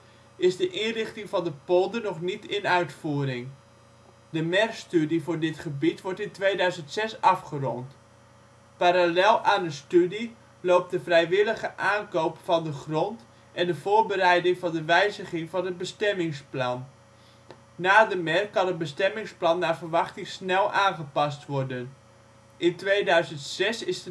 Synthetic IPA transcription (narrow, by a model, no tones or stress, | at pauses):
ɪzdəʔɪnrɪχtɪŋvɑndəpɔlˠdənɔχnitɪnœɥtfuːɾɪŋ | dəmɛrstydivʊːɹdɪtχəbitʋɔɹtɪntʋejdœɥzəntsɛsɑfχərɔ̰nt | paːɾalɛlˠaːndəstydi | lowp̚dəvrɛjʋɪləχəʔaːnkowpfɑndəχrɔnt | ʔɛndəvoːrbərɛjdɪŋvɑndəʋɛjzəχɪŋvɑnəd̚bəstɛmɪŋsplɑn | aːdəmɛrkɑnəd̚bəstɛmɪŋsplɑnːaːrvərʋɑχtɪŋsnɛlˠʔaːnχəpɑstʋɔrdən | ʔɪntʋejdœɥzəntsɛsɪsə